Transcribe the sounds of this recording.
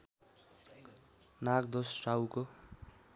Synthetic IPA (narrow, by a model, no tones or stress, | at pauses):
nak̚d̪osrawko